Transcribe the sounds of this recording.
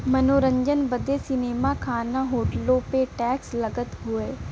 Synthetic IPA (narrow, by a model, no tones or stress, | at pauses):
mɐnoːɾə̃ɲd͡ʒənbɐd̪esɪneːmakʰaːnaɦoːʈlõpeʈɛːkslɐɡət̪ɦʊeː